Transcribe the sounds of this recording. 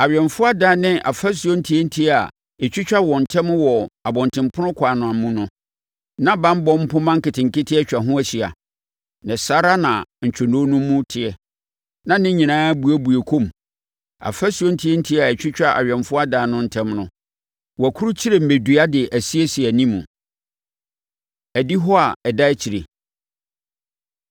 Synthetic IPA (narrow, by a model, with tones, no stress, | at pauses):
a˨ɥᶣɛ˨ɱfʊ˦a˦daː˨˦nɪ̃˦ʔa̰˨fæ˦s̬u˨o˦n̩˦tʰi˦e˦n̩˦tʰi˦a˨ | ɛ˨t͡ɕᶣi˦t͡ɕᶣa˦wɔ̃˨n̩˨tʰɛ̃˦m˦wɔ˨a˨bɔ̃˨ntʰɪ̃˨mpʰʊ˦nʊ̃˦kʰaː˨nʊ̃˨a˨mũ˦nʊ̃˦ | nã˦bã˦m˦bɔ̃˦m̩˦pʊ̃˦mã˦ŋ̩˦kɪ˨tʰɪ̃˨ŋ˨kɪ˦tʰɪ˦ɛ˦t͡ɕᶣa˨ɦʊ̃˦æ˨ɕi˨a̰˨ | nɛ̃˨sa˦ɾa˦nã˨ɲ̩˨t͡ɕᶣʰɛ˨nõ˦nʊ̃˦mũ˦tʰɪ˨ɛ˨ | nã˦nɪ̃˦ɲĩ˨nãː˦bu˨æ˦bu˨e˨kʰõ˦˨m | a̰˨fæ˦su˨˦o˦n̩˦tʰi˦e˦n̩˦tʰi˦a˨ɛ˨t͡ɕᶣɪ˦t͡ɕᶣa˦ʔa̰˨ɥᶣɛ̃˨nfʊ˦a˦daː˨nʊ̃˦n̩˦tʰɛ̃˦mnʊ̃˦ | wæ˨kʰu˦ɾu˦t͡ɕʰi˦ɾe˦˨m̩˨me˨du˨a˦dɪ˨ʔæ˨si˦e˦si˨æ˨nĩ˦mṵ̃˨ | æ˨di˦ɦɔ˦a˨ɛ˨da˦t͡ɕʰi˨ɾe˨